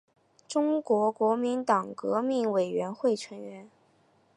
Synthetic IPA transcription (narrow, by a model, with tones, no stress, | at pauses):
ʈ͡ʂʊ˥ŋkwɔ˧˥kwɔ˧˥mi˧˥nt̪ɑ˨˩ŋkɤ˧˥mi˥˩ŋwe˨˩ɪɥɛ˧˥nxwe˥˩ɪʈ͡ʂʰə˧˥ŋɥɛ˧˥n